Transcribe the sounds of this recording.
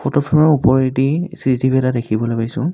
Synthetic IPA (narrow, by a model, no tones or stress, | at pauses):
pʰɔtɔpʰɛmɔupɔɹitisistibʱɛtadekʰibɔlojpajsʊ̰̃